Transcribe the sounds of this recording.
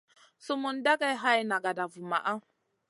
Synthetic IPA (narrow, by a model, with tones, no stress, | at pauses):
su˦mu˨nda˦ɡa˦jɦa˦ji˦na˨ɡa˨da˨vu˨ma̰˨ʔa˦